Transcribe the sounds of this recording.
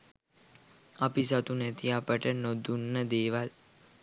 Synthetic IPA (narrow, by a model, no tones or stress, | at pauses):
apisat̪unæt̪iapəʈənod̪unːəd̪eːʋal